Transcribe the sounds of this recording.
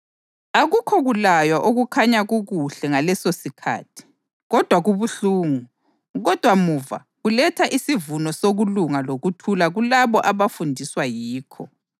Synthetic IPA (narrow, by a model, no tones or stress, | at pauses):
aɣukʰɔɣulajwaʔoɣukʰaɲaɣuɣuɬɛŋalɛsosikʰa̰ːtʰi̥ | ɣɔd̥ʱwaɣuβuɬuːŋu | ɣɔd̥ʱwamuva̰ | ɣulɛtʰaʔisivunɔsoɣuluŋaloɣutʰulaɣulaβɔʔaβafundʱiswajiːkʰɔ